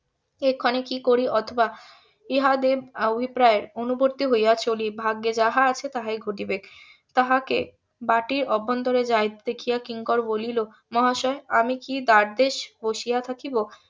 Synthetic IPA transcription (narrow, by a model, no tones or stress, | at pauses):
ekʰːɔnekikoɾiʔɔt̪ʰoba | iɦad̪eobʱipɾaeɾonuboɾt̪iɦojat͡ɕʰolibʱaɡːed͡ʑaɦaat͡ɕʰet̪aɦaeɡʱoʈibek | t̪aɦakḛ | baʈiɾɔbːɔnd̪oɾed͡ʑajt̪d̪ekʰijakiŋkɔɾbolilo | mɔɦaʃɔeamikid̪aɾd̪eʃboʃijat̪ʰakibo